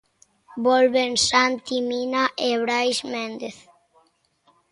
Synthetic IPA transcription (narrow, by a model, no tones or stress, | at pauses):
bɔlβensant̪iminaʔeβɾajsmẽnd̪eθ